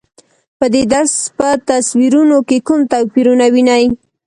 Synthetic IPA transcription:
pəd̪ed̪aɾspət̪aswiɾunokekʊmt̪awpiɾunawinaj

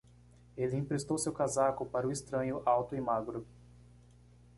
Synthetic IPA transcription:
elɪĩpɾest̪owsewkazakʊpaɾʊist̪ɾɐ̃ɲʊʔawt̪ʊɪmaɡɾʊ

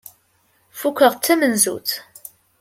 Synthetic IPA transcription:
fukʷːəʁt͡sːæmənzṵt͡s

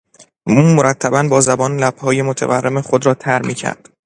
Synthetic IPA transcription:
uːmoɾæt̪ʰːæbænbɒːzæbɒːnlæb̥hɒːjemot̪ʰḛværːe̞meχo̞d̪ɾɒːt̪ʰæɾmiːcʰæ̰ɾd̪̥

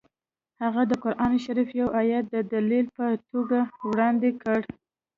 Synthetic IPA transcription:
haɣad̪əqʊɾʔɑnʃaɾifjawajat̪̚d̪əd̪alilpət̪oɡawɽɑnd̪ekəɽ

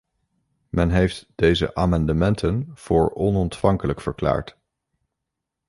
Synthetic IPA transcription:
mɛnɦejftd̥ejzə̰ʔaːmɑndəmɛntʰənv̥ʊːɹɔnɔntfɑŋkələkfəɹkla̰ːɹt

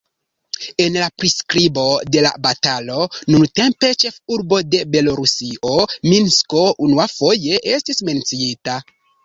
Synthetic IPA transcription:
e̞nlapɾiskɾibo̞de̞la̰batalo̞nunte̞mpe̞t͡ʃe̞fuɾbode̞be̞lo̞ɾusiʔo̞minsko̞ʔunuafo̞je̞ʔestisme̞nt͡siita

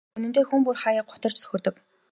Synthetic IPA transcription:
ɵnɘ̆nt̪eːxumpurχajəːɢʊ̥t̪ə̆r̥t͡ɕsɵ̥xʲɵ̆rt̪ɵ̆k

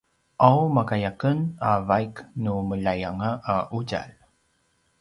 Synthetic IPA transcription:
ʔawmakajakənavajknuməʎajaŋaʔaʔuɟa̰l

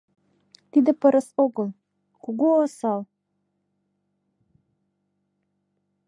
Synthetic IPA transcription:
t̪id̪ɘ̆pɤ̆ɾɤ̆soɣɤ̆lˠ | kuɡuɤsɑlˠ

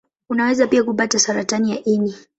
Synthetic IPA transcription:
unawɛzapiakupatasaɾatanijaʔini

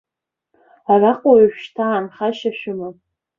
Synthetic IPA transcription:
araqʷʼoiʃᶣʃtʰaːnχaʃaʃᶣʊma

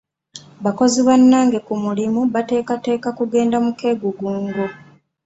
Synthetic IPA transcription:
βako̞ziβanːaːŋɡe̞kumulimuβate̞ːkate̞ːkakuɡe̞ːndamuke̞ɡuɡuːŋɡo

